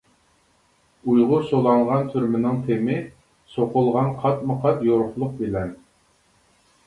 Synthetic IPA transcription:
ujʁʊsolˠɑɴʁɑnt̪ʰyɾmɪnɪŋt̪ʰemɪ | soqʊlˠʁɑnqʰɑt̪mɨqʰɑt̪joɾʊχlˠʊq̚bɪlɛn

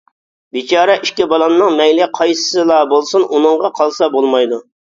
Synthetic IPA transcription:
bit͡ʃʰɑːɾɛʔiʃkʲɪbɑlˠɑnːɨŋmɛjlɪqʰɑjsɨ̥sɨlˠɑːbolˠsunʔunɨŋʁɑqʰɑlˠsɑbolˠmɑjd̪u

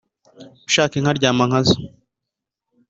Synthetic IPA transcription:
uʃaːkiŋ̥aɾɟaːmaŋ̥azo

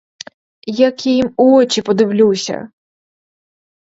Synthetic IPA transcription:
jakʲijimuɔt͡ʃʲipɔd̪ɪwlʲuwsʲɐ̰

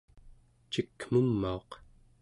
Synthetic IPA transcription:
t͡ʃikːm̥umːao̞q

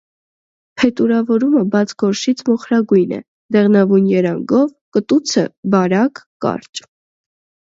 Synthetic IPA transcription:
pʰɛt̪uɾɑvɔɾuməbɑt͡sʰɡɔɾʃit͡sʰmɔχɾɑɡujnɛ̰ | d̪ɛʁnɑvujnjɛɾɑŋɡɔvkət̪ut͡sʰəbɑɾɑkːɑ̰ɾt͡ʃ

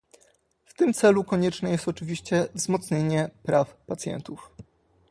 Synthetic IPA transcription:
ft̪ɘmt̪sɛlukɔɲɛt͡ʂnɛjɛst̪ɔt͡ʂɘvʲiɕt͡ɕɛvzmɔt̪sɲeɲɛpɾafpat̪sjɛ̰nt̪uf

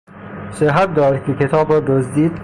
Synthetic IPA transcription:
seɦat̪̚d̪ɒːɾkekʰet̪ʰɒːbɾɔːd̪ozd̪iːd̪

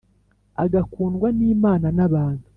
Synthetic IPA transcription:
a̰ɡakuːnɡwaniːmaːnanaβaːntu

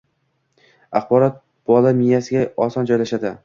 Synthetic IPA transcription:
ɑχbɒɾɒt̪̚ | b̥ɒlamɪjasɪɡʲaɒsɒnd͡ʒɒjlaʃad̪ɪ

